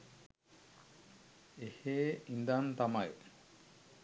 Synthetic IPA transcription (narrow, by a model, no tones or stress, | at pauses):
eheːind̪ant̪amaj